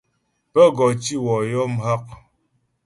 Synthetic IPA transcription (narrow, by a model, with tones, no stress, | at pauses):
pə˦ɡɔ˨t͡ʃi˦wɔ˨jɔ˦m̩˦ɦa˦k̚